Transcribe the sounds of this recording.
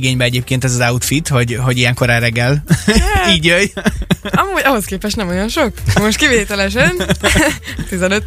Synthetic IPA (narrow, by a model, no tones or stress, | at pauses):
ɡeːɲbɛɛɟeːp̚keːnt̪ɛzɒzɑut̪fit̪ho̞ɟɦo̞ɟijɛŋkoɾɛːrɛɡːɛl | iːɟøj | ɒmuːɟɒɦo̞skeːpɛʃt̪nɛmojo̞nʃo̞kmo̞ʃt̪̚kiveːt̪ɛlɛʃ̬ɛn | t̪izɛnøt̪ː